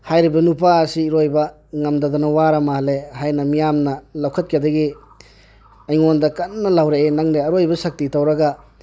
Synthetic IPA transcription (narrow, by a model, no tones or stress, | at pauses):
hajɾibɐnupaːsiːɾojbɐ | ŋɐmdɐd̪ɔnɐwaɾɐmaɦɐlehajnɐmijamnɐlɐwkʰɐt̚kʰidɐɡi | ɐjŋondɐkɐnːɐlawɾeenaŋdeɐɾojbɐsɐk̚titawɾɐɡɐ